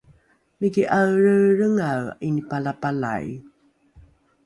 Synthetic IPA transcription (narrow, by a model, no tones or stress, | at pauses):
miɡiʔawɻəɾəŋawʔinipalapala̰j